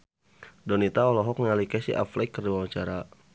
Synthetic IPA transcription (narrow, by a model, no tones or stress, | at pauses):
dɔnit̪aɔlɔɦɔk̚nŋalikasḭʔa̰flɛkːərdiwawaɲt͡ʃaɾa